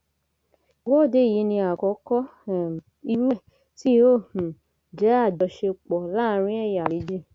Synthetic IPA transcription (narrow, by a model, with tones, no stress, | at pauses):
wɔ˦˨de˨˦˨ji˨˧˦nĩ˧a˨kɔ˨˦kɔ˦ | i˧ɾu˦˨ | ti˦o˦˨hũ˨ | d͡ʒɛ˨˦a˦˨dɔ˨˧˦ʃe˧k͡pɔ˨˦la˦˧ɾ̃ĩ˦ɛ˦˨ja˨li˨˦d͡ʒe˦˨